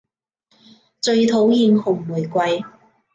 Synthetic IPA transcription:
t͡sɵ˧ɥt̪ʰo˨˥wjiː˧nhʊ˨˩ŋmuː˨˩jkʷɐ˧j

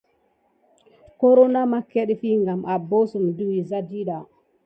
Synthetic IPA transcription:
ko˦ɾo˦na˦ma˦ke˦ɗfi˦ŋɡa˨mʔa˨bo˦su˨mdu˦wi˨za˦di˦ɗa˨

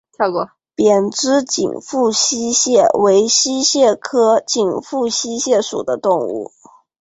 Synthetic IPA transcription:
ɑ˥˧kɔ˥˩ | pjɛ˨˩nʈ͡ʂɻ̩˥t͡ɕḭ˨˩ŋfu˥˩ɕi˥ɕjɛ˥˩we˧˥ɪɕi˥ɕjɛ˥˩kʰɤ˥t͡ɕi˨˩ŋfu˥˩ɕi˥ɕjɛ˥˩ʂṵ˨˩d̪ə˦t̪ʊ˥˧ŋṵ˥˩

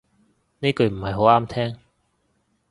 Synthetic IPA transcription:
ne˥jkɵ˧ɥm̩˨˩hɐ˨jɦo˨˥waː˥mt̪ʰɛː˥ŋ

